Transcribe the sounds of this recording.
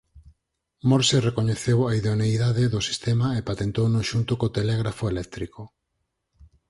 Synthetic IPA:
moɾserekoɲeθewaiðoneijðaðeðosi̥st̪emaepat̪ent̪ownoʃunt̪ʊkot̪elɛɣɾafoelɛk̚t̪ɾiko

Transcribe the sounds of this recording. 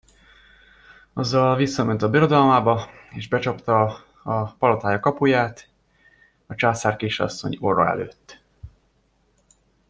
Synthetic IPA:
ɒzːɒlvisːɒmɛnt̪ɒbiɾo̞d̪ɒlmaːbɒeːʒbɛt͡ʃɒpt̪ɒ | ɒpɒlot̪aːjɒkɒpujaːt̪ | ɒt͡ʃaːsaːrkeːʃɒ̰sːo̰ɲoɾɒ̰ɛ̰lø̰ːt̪ː

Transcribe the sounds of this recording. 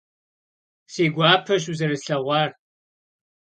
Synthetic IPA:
seːɡʷaːpʰɐʃuzɐɾɨɬɐʁʷɑːr

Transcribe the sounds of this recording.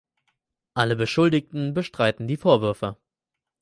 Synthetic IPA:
ʔaləbəʃʊldɪktn̩bəʃtʁ̥aɪtn̩diːfoːɐvʏɐfə

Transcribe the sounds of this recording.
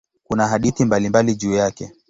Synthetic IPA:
kunaɦaɗiθimbalimbaliʄuːjakɛ

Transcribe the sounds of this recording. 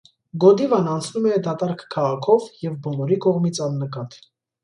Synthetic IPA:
ɡɔd̪ivɑnɑnt͡sʰnumɛd̪ɑt̪ɑɾkʰkʰːɑʁɑkʰɔvjɛvbɔnɔɾikɔʁmit͡sʰɑnːəkɑt̪

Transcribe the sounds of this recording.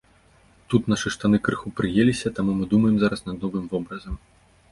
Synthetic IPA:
t̪ut̪nɐʂɨʂt̪anɨkɾɨxupɾɨjelʲisʲɐt̪amumɨd̪umɐjɛmzaɾɐsnɐd̪nɔvɨmvɔbɾɐzɐm

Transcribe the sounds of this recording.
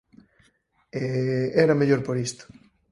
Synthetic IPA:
eɛɾɐmeʎoɾpoɾist̪o̥

